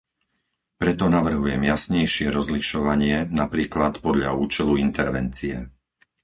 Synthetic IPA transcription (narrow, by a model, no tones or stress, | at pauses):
pɾɛt̪ɔnaʋr̩ɦujɛmjasɲɛjʃɪɛɾɔzliʃɔʋaɲɪɛnapɾiːklat̪pɔd̪ʎa̰uːt͡ʃɛluint̪ɛɾʋɛnt͡siɛ